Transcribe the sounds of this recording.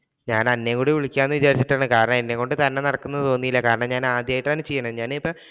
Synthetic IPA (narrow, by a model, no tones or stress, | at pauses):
ɲaːnɐnːekuːɽiʋiɭikʲːaːnːɨʋit͡ɕaːɾit͡ɕːiʈːaːɳɨkaːɾɐɳɐmenːeŋkːo̞ɳɖɨt̪ɐnːe̞nɐɽɐkːunːɐðɨt̪o̞ːnːijilːɐkaːɾɐɳɐmɲaːnaːd̪jaːjiʈːaːnɨt͡ɕejːɐɳɐɲaːnipːɐ